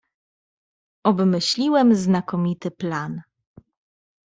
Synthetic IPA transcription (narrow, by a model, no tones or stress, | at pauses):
ʔɔbmɘɕlʲiwɛmznakɔmʲit̪ɘplan